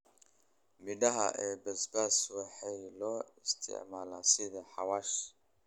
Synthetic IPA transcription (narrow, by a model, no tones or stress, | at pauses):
mɪɖɐɦɐ̰ʔɛːbɛsbaswɑħɑjlɔːɪst̪ʰɪ̰ʕmaːlaːsɪðɐħɑwaːʃ